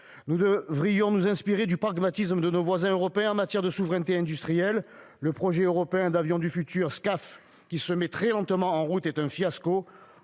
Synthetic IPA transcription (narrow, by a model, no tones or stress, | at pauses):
nud̪əvʁijɔ̃nuzɛ̃spiʁed̪ypχaɡmat̪isməd̪ənovwazɛ̃øʁɔpeɛ̃ɑ̃mat̪jɛʁd̪əsuvʁɛnt̪eɛ̃d̪yst̪χijɛlː | əpχɔʒɛøʁɔpeɛ̃d̪avjɔ̃d̪yfyt̪yʁskaf | kʲisəmɛt̪χɛlɑ̃t̪əmɑ̃ɑ̃ʁut̪ɛt̪ɛ̃fjasko